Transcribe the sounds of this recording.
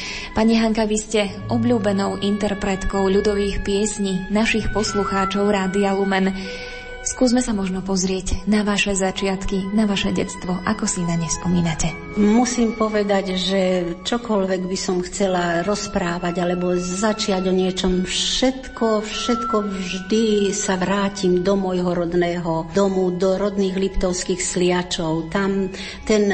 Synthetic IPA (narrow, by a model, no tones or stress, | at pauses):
paɲiɦaŋkaʋiscɛ | ʔɔbʎuːbɛnɔʊʔint̪ɛɾpɾɛt̪kɔʊʎud̪ɔʋiːxpɪɛsɲinaʃixpɔsluxaːt͡ʃɔʊɾaːd̪ialumɛn | skuːzmɛsamɔʒnɔpɔzɾɪɛɟnaʋaʃɛzat͡ʃɪat̪kinaʋaʃɛɟɛ̰t͡st̪ʋɔʔakɔsinaɲɛspɔmiːnacɛ | musiːmpɔʋɛd̪aɟʒɛt͡ʃɔkɔlʋɛɡbisɔmxt͡sɛlaɾɔspɾaːʋaɟalɛbɔzat͡ʃɪaɟɔɲɪɛt͡ʃɔmfʃɛt̪kɔfʃɛt̪kɔʋʒd̪isaʋɾaːcimd̪ɔmɔjɦɔɾɔd̪nɛːɦɔd̪ɔmud̪ɔɾɔd̪niːɣlipt̪ɔʊskiːxslɪat͡ʃɔʊt̪am | t̪ɛn